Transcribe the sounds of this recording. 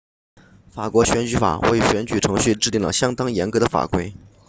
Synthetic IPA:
fa˨˩kwɔ˧˥ɕɥɛ˧˥nt͡ɕy˧˥fa̰˨˩we˥˩ɪɕɥɛ˧˥nt͡ɕy˨˩ʈ͡ʂʰɤ˧˥ŋɕy˥˧ʈ͡ʂɻ̩˥˧t̪i˥˩ŋlə̰˨˩ɕjɑ˥ŋt̪ɑ˥ŋjɛ˧˥nkɤ˧˥d̪ə˧fa̰˨˩kwe˥ɪ

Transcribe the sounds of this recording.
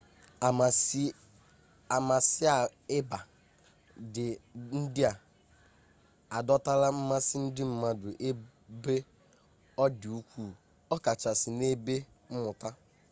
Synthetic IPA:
a˨ma˨sɪ˦a˨ɪ˦ba˨ | dɪ˨n̩˦dɪ˦a˨ | a˨dɔ˦ta˦la˦m̩˦ma˦sɪ˦n̩˦dɪ˦m̩˦ma˦dʊ˨ʔe˦ | be˦ | ɔ˦dɪ˨u˦kʷu˦˨ | ɔ˦ka˨t͡ʃa˨sɪ˨ne˦be˦ | m̩˦mʊ˨ta˦

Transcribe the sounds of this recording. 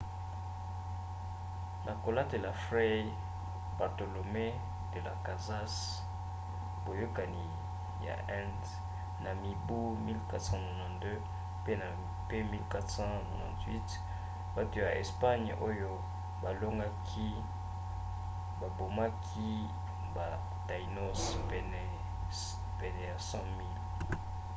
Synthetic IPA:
na˨ko˨la˦te˨la˨fʁe˦j | ba˨ʁto˨lo˨me˦ | te˦la̰˨ka˨za˦s | bo˨jo˦ka˨ni˨ | ja̰˨ʔɛ̃˦nd | na˨mi˨bu˦mi˦lka˦tsɑ̃˦nɔ˨nã˨ndø˦ | pe˦na˨ | pe˦mi˦lka˦tsɑ̃˦na˨nã˨twi˦t | ba˨to˦ja˨ʔḛ˨spa˦ɲʔo˦jo˦ | ba˨lo˦ŋɡa˦kʰi˦ | ba˨bo˨ma˦kʰi˦ | ba˨ | da˨i˨no˦spɛ˦nɛ˨ | pɛ˨nɛ˨ja˨sɑ̃˦mi˦l

